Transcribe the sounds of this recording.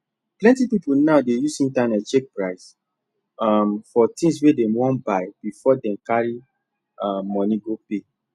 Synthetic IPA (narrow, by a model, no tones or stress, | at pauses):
plɛ̃ntipipolnaʊdejusĩntãnɛt͡ʃek̚pɹaɪs | amfɔtĩŋs̬wedɛ̃mwɔ̃nbaɪb̥ifɔdɛ̃mkaɹi | aːɔ̃niɡope